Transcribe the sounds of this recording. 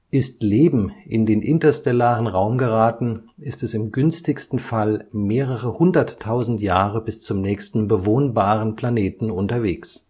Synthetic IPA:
ʔɪstleːbm̩ʔɪ̰ndeːnʔɪntɐstɛlaːʁənʁaʊmɡəʁaːtn̩ɪstɛsɪmɡʏnstɪçstn̩falmeːʁəʁəhʊndɐtʰːaʊzn̩tjaːʁəbɪst͡sʊmnɛːçstn̩bəvoːnbaːʁənpl̥aneːtn̩ʊntɐveːks

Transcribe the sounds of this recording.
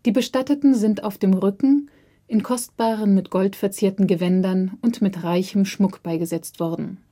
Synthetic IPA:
d̥iːbəʃtatətn̩zɪnta̰ʊfd̥eːmʁʏkŋ̩ | ʔɪnkʰɔst̚b̥aːʁənmɪtɡ̥ɔltfɛɐt͡seːɐtn̩ɡəvɛndɐnʊntmɪtʁaɪçəmʃmʊkb̥aɪɡəzɛt͡stv̥ɔɐdn̩

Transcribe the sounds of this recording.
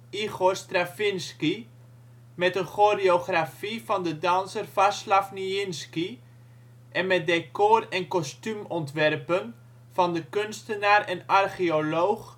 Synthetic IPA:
iɣorstrafɪnski | mɛtənχoreoχrafifɑndədɑnsərfaslafniɪnski | ʔɛnmɛt̚dekorɛnkɔstymɔntʋɛrpən | fɑndəkønstənaːrɛnɑrχiolowχ

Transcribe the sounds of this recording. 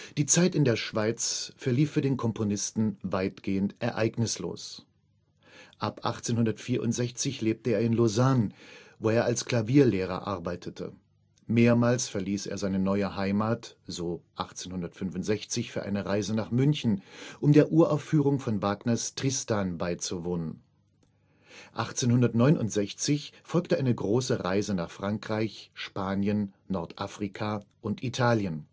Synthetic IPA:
d̥iːt͡saɪtɪndeːɐʃv̥aɪt͡sfɛɐliːfyːɐdeːnkʰɔmpʰonɪstn̩vaɪtɡ̥eːəntʔɛɐʔa̰ɪɡnɪslo̰ːs | ʔapʔaχt͡seːnhʊndɐtfiːɐʔʊ̰ntz̥ɛçt͡sɪçleːp̚təeːɐɪnlozanvoːeːɐalskl̥aviːɐleːʁ̞ɐ̰ʔa̰ɐbaɪtʰətʰə̰ | meːɐmaːlsfɛɐliːsḛːɐzaɪnənɔʏəɦaɪmaːtz̥oːʔaχt͡seːnhʊndɐtfʏnvʊntz̥ɛçt͡sɪçfyːɐʔa̰ɪnəʁaɪzənaːχmʏnçn̩ʔʊmdeːɐʔuːɐʔaʊfyːʁ̞ʊŋfɔnvaːɡnɐstʁ̥ɪstaːnbaɪt͡suvoːnən | ʔa̰χt͡seːnhʊndɐtnɔʏnʔʊ̰ntz̥ɛçt͡sɪçfɔlktəʔaɪnəɡʁoːsəʁaɪzənaːχfʁ̥aŋkʁ̥aɪçʃpaːnjənː | ɔɐtʔafʁ̥ikʰaʔʊntʔitʰaːljən

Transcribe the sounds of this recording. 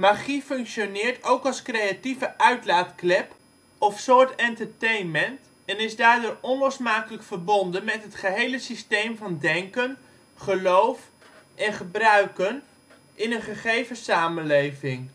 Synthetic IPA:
maχifɵŋkʃonɪːɹtowkɑlˠskrejativəʔœɥtlaːtklɛp | ɔfsʊːɹtɛntəɹtejnmɛnt | ɛnɪzdaːɹdʊːrɔnlɔsmaːkələkfərbɔndənmɛtɦətχəɦejləsistejmvɑndɛŋkən | χəlowf | ʔɛnχəbrœɥkən | ʔɪnənχəχejvəsaːmənlejvɪŋ

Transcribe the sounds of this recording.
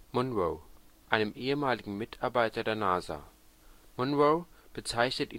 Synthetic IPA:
mɔnʁoʊʔaɪnəmʔeːəmaːlɪɡŋ̩mɪtʰaɐbaɪtɐdeːɐnaːza̰ː | mɔnʁoʊb̥ət͡saɪçnəti

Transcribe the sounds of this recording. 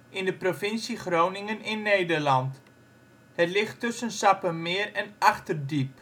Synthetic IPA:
ʔɪndəprofɪnsiχrownɪŋənɪnːejdərlɑnt | hətlɪχtːøsənsɑpəmɪərɛnɑχtərdip̚

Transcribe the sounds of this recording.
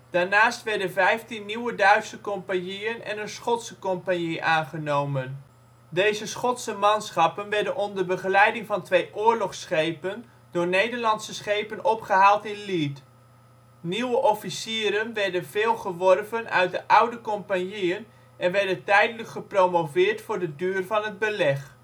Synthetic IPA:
d̥aːɹnaːstʋɛɹdənvɛjftinːiwədœɥtsəkɔmpanjiənɛ̰nənsχɔtsəkɔmpanjiʔaːnχənowmən | dejzəsχɔtsəmɑnsχɑpənʋɛɹdənɔndərbəχəlɛjdɪŋvɑntʋejʔʊːɹlɔχsχejpən | d̥ʊːɹnejdəɹlɑnsəsχejpənɔpχəɦaːlˠtɪnlit | niwəʔɔfisiːɾənʋɛɹdənv̥eːlˠχəʋɔrvənʔœ̰ɥt̚dəʔawdəkɔmpanjiən | ʔɛnʋɛɹdəntɛjdələkχəprowmovɪːɹtfʊːɹdədyːrvɑnɦəd̚bəlɛχ

